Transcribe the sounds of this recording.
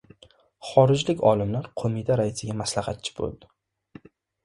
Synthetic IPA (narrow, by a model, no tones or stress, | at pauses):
χɒɾɪd͡ʒlɪkʲɒlɪmlaɾqʰomit̪ʰaɾaɪsɪɡʲamaslahat̪̚t͡ʃʰɪ̥bo̰lˠd̪ɪ